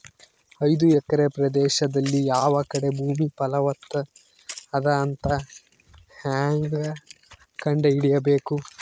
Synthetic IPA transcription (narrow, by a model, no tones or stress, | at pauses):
ɐjd̪uɛkːɐɾe̞pɾɐd̪ɛːʃɐd̪ɐlːijaːʋɐkɐɽe̞bʱuːmipɐlɐʋɐt̪ːɐ | ɐd̪ɐːnt̪ɐ | haːŋɡɐ | kɐɳɖeiɽijɐbe̞ːku